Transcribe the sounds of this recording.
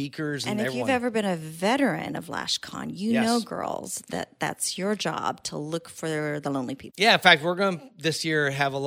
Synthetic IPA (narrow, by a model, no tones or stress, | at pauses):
ikʰə˞zɨ̃nɨɛjʉvɛvə˞bɨ̃nɨvɛɾə˞ɨ̰̃nʌ̰vlæ̰ʃkʰɑ̰̃njɨnoʊɡɜ̰˞lˠz̥ðɨ̰t̪̚ðæ̰tsjə˞d͡ʒɑ̰b̥̚tʰə̰lʊkfə˞ðəlõʊ̃nlipʰipjæɨ̃nfæk̚t̚wɪɹɡʌnəðɪsjɪɹɨvəl